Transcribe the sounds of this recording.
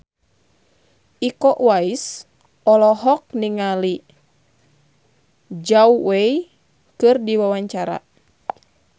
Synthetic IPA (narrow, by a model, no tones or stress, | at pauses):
ikɔʔwais | ɔlɔɦɔk̚niŋali | d͡ʒawwei | kɨrdiwawaɲt͡ʃaɾa̰